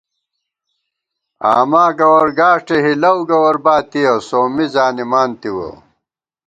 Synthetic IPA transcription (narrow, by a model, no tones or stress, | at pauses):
a̰ːmaːɡɐwɐɾɡaːʂʈeɦilɐwɡɐwɐɾbaːt̪iɐsoːmizaːnimaːnt̪iwɐ̰